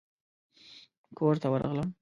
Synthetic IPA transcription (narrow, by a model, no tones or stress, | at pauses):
kʰoɾt̪awəɾa̰ɣləm